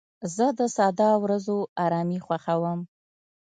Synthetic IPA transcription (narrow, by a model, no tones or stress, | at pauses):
zəd̪əsɑd̪ɑwɾazoɑɾɑmixwaxawəm